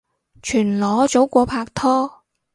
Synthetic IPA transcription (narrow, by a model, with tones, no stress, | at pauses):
t͡ʃʰyː˨˩nlɔː˨˧˥t͡so˨˥wkʷɔː˨˧pʰaː˧k̚t̪ʰɔː˥